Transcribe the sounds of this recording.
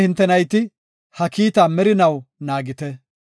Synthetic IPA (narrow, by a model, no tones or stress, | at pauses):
hɪnt̪ːɛnɐjt̪ɪ | hɐkiːt̪aːmɛɾɪnɐwnaːɡɪt̪ɛ